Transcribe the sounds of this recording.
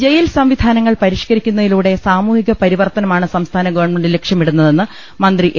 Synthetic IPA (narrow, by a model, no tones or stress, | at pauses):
d͡ʑejilsɐmʋid̪ʱaːnɐŋːɐɭpɐɾiʂkɐɾikʲːunːɐðiluːɽe̞saːmuːhiɣɐpɐɾiʋɐrt̪ɐnɐmaːɳɨsɐmst̪ʰaːnɐɡɐʋɐrɳmeɳɖilekʂjɐmiɽunːɐðe̞nːɨ | mɐnd̪riʔ